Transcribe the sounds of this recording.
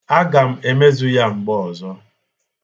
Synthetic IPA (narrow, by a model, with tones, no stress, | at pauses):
a˦ɡa˨m̩˦e˦me˦zu˦ja˦ŋ͡m̩˨ɡ͡bɔ˦˨ɔ˨zɔ˦